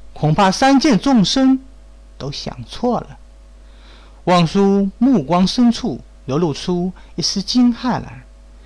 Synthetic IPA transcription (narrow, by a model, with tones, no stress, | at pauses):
kʰʊ˨˩ŋpʰa˥sa˥nt͡ɕjɛ˥˧nt͡sʊ˥˩ŋʂə˥n | t̪o˥ʊɕjɑ̰˨˩ŋt͡sʰwɔ˥˩lə˩ | wɑ˥˩ŋʂu˥mu˥˩kwɑ˥ŋʂə˥nʈ͡ʂʰu˥˩ | ljo˧ʊlu˥˩ʈ͡ʂʰu˥ | i˥˩sɹ̩˥t͡ɕi˥nxa˥˩ɪla̰˨˩˥